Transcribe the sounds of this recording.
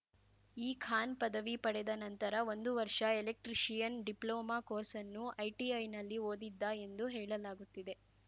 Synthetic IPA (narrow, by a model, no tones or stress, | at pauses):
iːkʰaːnpɐd̪ɐʋipɐɽɛd̪ɐnɐnt̪ɐɾɐʋo̞nd̪uʋɐɾʂɐelek̚ʈɾiʃijɐnɖiploːmaːkoːɾsɐnːuʔɐjʈiɐjnɐlːioːd̪id̪ːae̞nd̪uɦɛːɭɐlaːɡut̪ːid̪e̞